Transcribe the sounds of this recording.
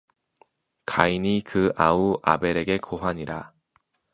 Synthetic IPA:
kaiɲikɯauʔa̰be̞ɾe̞ɡe̞kʰoɦwaɲiɾa

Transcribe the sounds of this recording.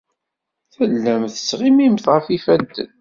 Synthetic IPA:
θəlːæmθə̥sːʁimimθʁəfifænt̪ə̰n

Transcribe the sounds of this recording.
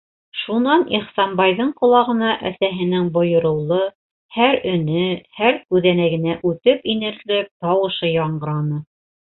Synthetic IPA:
ʃunɑniχsɑmbɑjðɤɴqŏlˠɑʁɤ̆nɑʔæsæɦɘ̆nɘŋbŏjŏɾɤ̆wlˠɤ | hæɾɵ̆nɘhæɾkʉðænæɡɘ̆næʔʉt̪ɘpinɘ̆ɾlɘp̚t̪ɑwɤ̆ʃɤjɑɴɢɤ̆ɾɑnɤ

